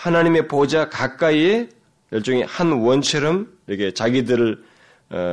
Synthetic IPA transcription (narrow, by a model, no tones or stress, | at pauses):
hanaɲime̞pod͡ʑakak͈̚aie | jʌɭt͡ɕ͈ʌŋehanwʌnt͡ɕʰʌɾʌmiɾʌkʰet͡ɕaɡidɯɾɯɭ